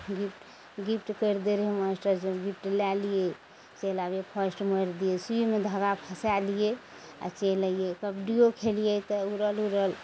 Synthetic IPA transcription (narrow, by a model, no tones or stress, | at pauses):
ɡipʈ | ɡipʰʈkəɾd̪eɾeməsʈəɾsɡip̚ʰʈlalije | t͡ʃelabepʰəsʈməɾd̪ijesujmed̪ʱəɡapʰəsalije | a̰t͡ʃeləjekəbɖiokʰelijet̪ɔuɾəluɾəl